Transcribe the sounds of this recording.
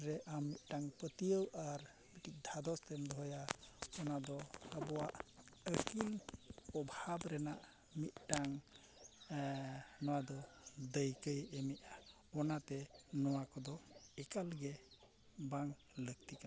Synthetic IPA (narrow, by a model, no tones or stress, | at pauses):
ɾɛʔamːit̪̚ˀʈaŋpət̪iəwaɾ | biʈik̚d̪ʱad̪ɔst̪ɛmd̪ʱɔjaɔnad̪ɔəbɔwaʔəkilɔbʱabɾɛnaʔ | mit̪̚ˀʈaŋ | nɔwad̪ɔd̪əjkəjɛmit̪̚ | ɔnat̪ɛnɔwakɔd̪ɔɛkalɡɛ | baŋ | ləɡ̚t̪ika